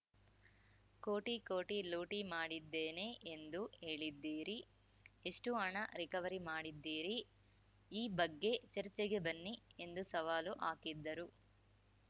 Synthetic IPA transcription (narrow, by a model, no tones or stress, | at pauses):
ko̞ːʈikoːʈiloːʈimaːɽid̪ːeːne̞ʔend̪ue̞ːɭid̪ːiːɾi | eʂʈuɐɳɐɾikɐʋɐɾimaːɽid̪ːiːɾi | iːbɐɡːe̞t͡ʃɐɾit͡ʃːeɡe̞bɐnːie̞nd̪usɐʋaːluʔaːkid̪ːɐɾu